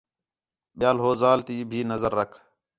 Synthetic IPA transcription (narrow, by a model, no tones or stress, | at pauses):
ɓɪjaːlɦoːzaːlt̪iːbʱiːnəzəɾːəkʰ